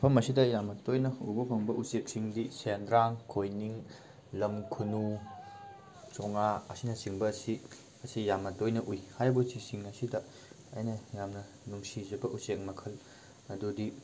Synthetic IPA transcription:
pʰɐmɐsidɐjamɐtojnɐṵbɐpʰɐŋbɐʔusek̚siŋdisendɾaŋkʰojniŋ | lɐmkʰunu | t͡ʃoŋaɐsinɐsiŋbɐːsi | ɐsijamɐtojnɐʔujhajbosisiŋɐsidɐː | jnɐjamnɐ | nuŋsizɐbɐʔusek̚mɐkʰɐl | ɐdudi

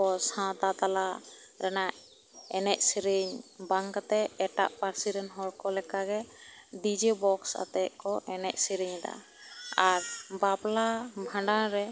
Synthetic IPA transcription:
ɔshãt̪at̪alaɾɛnaʔ | ɛnɛʔ̚siɾiɲbaŋkat̪ɛɛʈa̰ʔpaɾsiɾɛnɦɔɽkɔlɛkaɡɛ | ɖid͡ʒɛbɔksa̰t̪ɛʔ̚kɔʔɛnɛʔ̚siɾiɲd̪a̰ | aɾbaplabʱãɳɖaɾɛ

